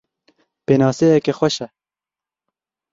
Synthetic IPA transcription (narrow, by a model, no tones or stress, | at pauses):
peːnɑːseːjɛkexwɛʃɛ